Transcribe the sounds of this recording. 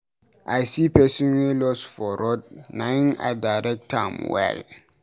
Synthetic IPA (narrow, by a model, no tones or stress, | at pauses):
ʔajsipɛsĩnwelɔsfɔɾɔd̚nãna̰daɾɛk̚tʰamwɛ̰l